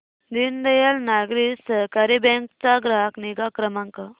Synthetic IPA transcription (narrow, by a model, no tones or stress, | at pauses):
d̪ind̪ɐjalnaɡɾisəɦkaɾibeŋkt͡saɡɾaɦakniɡakɾəmãŋkə